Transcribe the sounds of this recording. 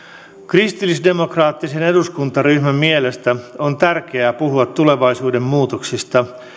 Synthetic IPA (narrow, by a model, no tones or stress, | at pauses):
krist̪ilːisde̞mo̞krɑːt̪ːise̞ne̞duskunt̪ɑryhmæmiele̞st̪æo̞nt̪ærk̟e̞æːpuɦuɑt̪ːule̞ʋɑisuːde̞mːuːt̪oksist̪ɑ